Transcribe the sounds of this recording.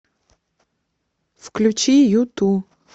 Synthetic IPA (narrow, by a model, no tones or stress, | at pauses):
fklʲʊt͡ɕijut̪u